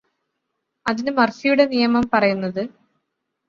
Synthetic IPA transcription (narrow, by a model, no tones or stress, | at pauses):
ɐðinɨmɐrɕijuɽe̞nijɐmɐmpɐrɐjunːɐðɨ